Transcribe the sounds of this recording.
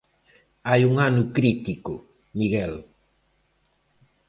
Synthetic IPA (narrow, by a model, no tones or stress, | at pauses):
ajuŋanukɾit̪ikʊ | miɣel